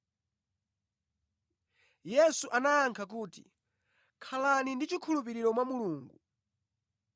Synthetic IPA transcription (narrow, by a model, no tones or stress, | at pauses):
jɛsuʔanaːŋkʰak̬uːtḭ | kʰalanindit͡ʃikʰulupiɾiɾɔmwamuluːŋɡu